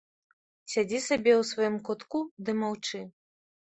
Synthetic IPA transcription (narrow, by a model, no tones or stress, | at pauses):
sʲad͡zʲisabʲɛwsvɔjimkɔt̪kud̪ɨmawt͡ʂɨ